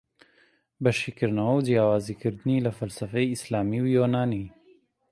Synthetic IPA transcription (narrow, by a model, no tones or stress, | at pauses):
bɐʃikɨɾnɐwawd͡ʒjaːwɑːzikɨɾd̪ɨnilafalsafejɪslaːmiwjonaːni